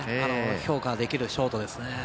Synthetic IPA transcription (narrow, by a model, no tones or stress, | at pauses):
anoço̞ːkad̪e̞kʲiɾɯ̟ɕo̞ːt̪o̞d̪e̞sɨne̞